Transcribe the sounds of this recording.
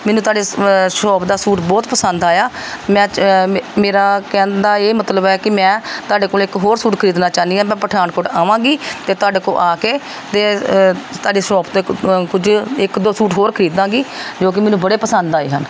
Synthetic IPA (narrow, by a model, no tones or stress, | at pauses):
mɛːnũːt̪oaːɖeːsʈɔːpd̪aːsuːʈbɔːt̪pəsənd̪aːjaːmɛ̃ːmeːɾaːkɛ̃ːnd̪aːeːmət̪ləbɛːkɪmɛ̃ːt̪ʊaːɖeːkoːlɪkɦoːɾsuːʈkʰəɾiːd̪naːt͡ʃaːniːãːmɛ̃ːpəʈʰaːnkʊʈaːʋãːɡiːt̪eːt̪oʊaːɖeːko̰ːlʔaːkeː | t̪eːt̪aːɖeːsɔːpt̪õːkʊd͡ʒɪkd̪oːsuːʈɦoːɾkʰəɾiːd̪ãːɡiːd͡ʒoːk̬ɪmɛːnũːbəɽeːpəsənd̪aːḛːɦə̰n